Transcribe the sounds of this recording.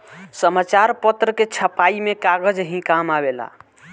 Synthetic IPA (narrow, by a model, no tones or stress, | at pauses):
səmat͡ʃaɾpət̪ɾəket͡ʃʰəpaimekaɡəd͡ʒɦĩkamabela̰